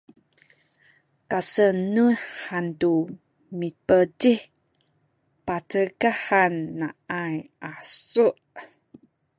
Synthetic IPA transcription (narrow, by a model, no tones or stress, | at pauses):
kasənuhantu | mipədi | patəɡahanːaajasuʔ